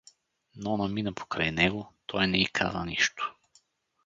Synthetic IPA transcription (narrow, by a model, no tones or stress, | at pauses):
nɔnɐminɐpʰo̥kɾajnɛɡot̪ʰɔjnɛikʰa̰zɐ̰niʃt̪o̥